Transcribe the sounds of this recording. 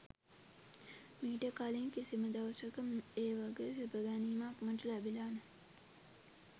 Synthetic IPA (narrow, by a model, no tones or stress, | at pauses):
miːʈəkaːliŋkisiməd̪ɐʋsəkəmeːʋaɡesebəɡaniːmakməʈəlæbilaːnə